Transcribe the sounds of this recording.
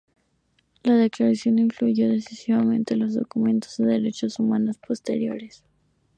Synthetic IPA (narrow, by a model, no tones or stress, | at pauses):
laðe̞klaɾasjo̞niɱfluʝo̞ðe̞sisiβamẽ̞nt̪e̞lo̞zðo̞̰kumẽ̞nt̪ozðeðe̞ɾe̞t͡ʃosumano̞spo̞st̪e̞̰ɾjo̞̰ɾes